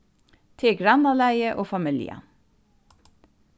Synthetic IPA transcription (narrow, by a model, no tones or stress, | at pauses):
t̪ʰɪɡɹɑnɑlæɪəʔoːfɑmɪljə̰